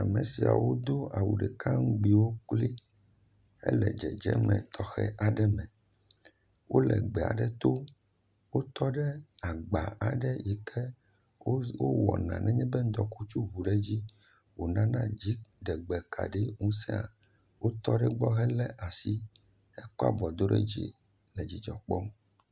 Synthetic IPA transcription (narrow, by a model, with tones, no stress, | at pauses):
a˨me˨si˨a̰˨wo˦d̪o˦a˨wṵ˨ɖɛ˨ka˦ŋũ˦ɡ͡bi˨wo˦k͡pli˦ | ɛ̰˦lɛ˨d͡ʒɛ˨d͡ʒɛ̰˦mɛ̰̃˨t̪ʰɔ˨xɛ̰˦ʔa˨ɖɛ˦mɛ̃˨ | wʔo˦lɛ̰˨ɡ͡bɛ˨a̰˨ɖɛ˦t̪o˦ | wo˦t̪ɔ˦ɖɛ˦a˨ɡ͡ba˨a˨ɖɛ˦ji˨kʰɛ˦ | wo˦wɔ̰˨nã̰˨nʔɛ̃˦ɲɛ̃˦bɛ˦n̩˦d̪ɔ˨ku˦t͡ʃu˦βu˨ɖɛ˦d͡ʑi˦ | wo˨nã˦nã˦d͡ʑi˨˦ɖɛ˨ɡ͡bɛ˨kʰa̰˨ɖɛ˦ŋũ˦sɛ˦a̰˨ | wo˦t̪ɔ˦ɖɛ˦ɡ͡bɔ˦ɦɛ˦lɛ˦ʔa˨si˦ | ɛ˦kɔ˦a̰˦bɔ˨d̪o˦ɖɛ̰˦d͡ʒḭ˨ | lɛ˨d͡ʑi˨d͡ʒɔ˨k͡pɔ˦